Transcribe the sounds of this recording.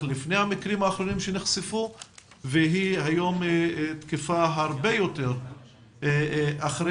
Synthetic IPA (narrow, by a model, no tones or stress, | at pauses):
lifne̞jhamikʁimaːχɾo̞nimʃeneχsefu | veɦihajo̞mt̪kifaɦaʁbe̞jo̞t̪eʁ | ʔaχʁe